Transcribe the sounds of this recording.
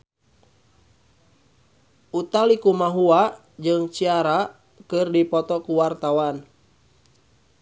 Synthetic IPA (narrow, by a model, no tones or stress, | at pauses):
ut̪alikumaɦua | d͡ʒɨŋt͡ʃiaɾa | kɨrdipɔt̪ɔkuwart̪awan